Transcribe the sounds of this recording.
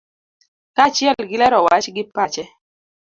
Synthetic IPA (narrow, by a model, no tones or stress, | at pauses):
kat͡ʃjɛlɡɪlɛɾɔwat͡ʃɡɪpat͡ʃɛ